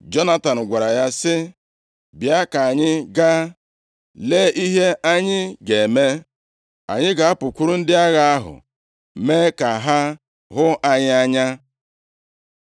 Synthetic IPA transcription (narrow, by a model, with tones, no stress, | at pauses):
d͡ʒɔ˦na˦ta˨n̩˨ɡʷa˨ɾa˨ja˦sɪ˦ | bja˦ka˨a˨ɲɪ˦ɡa˦ | le˦i˦ɦe˦ʔa˦ɲɪ˦ɡe˨me˦ | a̰˨ɲɪ˦ɡa˨a˦pʊ˨kʷu˦ɾu˦n̩˦dɪ˦a˦ɣa˦a˦ɦʊ̰˨ | me˦ka˨ɦa˦ | ɦʊ˦ʔa˦ɲɪ˦a˦ɲa˦